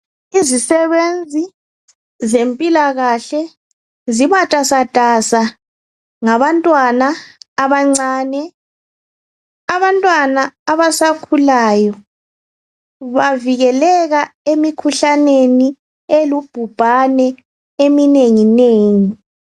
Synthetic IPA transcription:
izisɛβend͡zʱi | zempʼilaɣaɬɛ | zimatʼasad̥ʱasa | ŋaβantʼwanaːβaŋ͡ǀaːnɛ | aβantʼwanaːβasakʰulaːjɔ | βaviɣɛlɛɣaemikʰuɬaneni | elub̥ʱub̥ʱanɛ | emineŋineːŋi

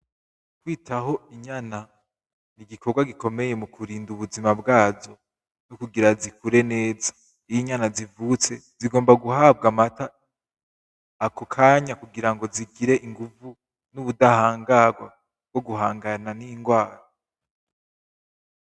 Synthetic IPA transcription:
kwiːtaɦo̞iɲana | niɡikʰo̞ɾɡwaɡiko̞me̞je̞mukʰuɾiːnduβuzimabɡaːzo̞ | nukuɡiɾazikuɾe̞ne̞ːzḁ | ijiɲanazivut͡se̞ziɡo̞ːmbaɡuɦab̚ɡamata | kʰokʰaːɲakuɡiɾaŋɡo̞ziɡiɾe̞ʔiŋɡuvu | nuβudahaːŋɡaɡwa | b̚ɡ̥o̞ɡuɦaːŋɡananiŋɡwaːɾo

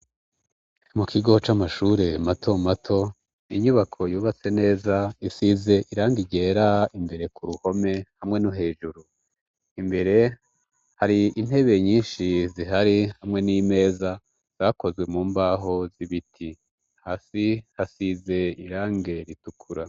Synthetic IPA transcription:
mukiɡo̞t͡ʃamaʃuːɾe̞matʰo̞matʰo̞ | iɲuβakʰo̞juːβat͡se̞ne̞ːzaisize̞ʔiɾaːŋɡiɟe̞ːɾaimbe̞ɾe̞kuɾuho̞me̞hamŋe̞nuɦe̞ːʒuɾu | imbe̞ɾe̞ | haɾiʔin̥he̞βe̞ɲiːnʃiziɦaɾihamŋe̞niːme̞ːza | z̥ako̞zɡwe̞muːmbaːɦo̞ziβitʰi | haːsihasize̞iɾaːŋɡe̞ɾitukʰuɾa

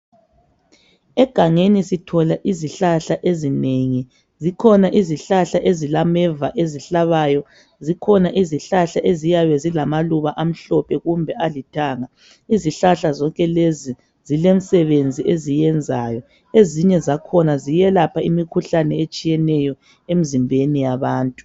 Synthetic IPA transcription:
ɛɡ̥ʱaŋenisitʰɔlaʔiziɬaɬaʔezineŋi | zikʰɔnaʔiziɬaɬaʔezilamɛvaʔeziɬaβajɔ | zikʰɔnaʔiziɬaɬaʔezijaβɛzilamaluβaʔam̩ɬɔpʰɛɣumbʱɛʔalitʰaːŋa | iziɬaɬazɔŋkʼɛlezi | z̥ilem̩sɛβend͡zʱiʔezijɛnd͡zʱaːjɔ | eziɲɛzakʰɔnazijɛlapʰaimikʰuɬanɛet͡ʃʼijɛnɛjɔ | em̩zimbʱenijaβaːntʼu

